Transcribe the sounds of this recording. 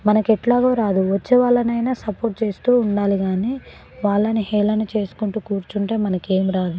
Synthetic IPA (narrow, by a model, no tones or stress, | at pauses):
mɐnɐkɛʈlaːɡoːɾaːd̪uʋɐt͡ʃːeːʋaːɭːɐnɐjnaːsɐpoːɾʈ̚t͡ʃe̞ːst̪uːuɳɖaːliɡaːniː | ʋaːɭːɐniɦɛːlɐnit͡ʃe̞ːsu̥kuɳʈuːkuːɾt͡ʃuɳʈe̞ːmɐnɐke̞ːmiɾaːd̪u